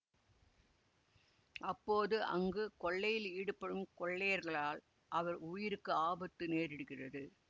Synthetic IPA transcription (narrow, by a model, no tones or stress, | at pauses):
ʔɐpːoːðɯʔɐ̰ŋɡɯkɔɭːɐjɪliːɽɯpːɐɽɯmkɔɭːɐjɐɾɣɐɭaːl | ʔɐʋɐɾʊjɪɾɯkːɯaːbɐt̪ːɯneːɾɪɽɯɣɪrɐðɯ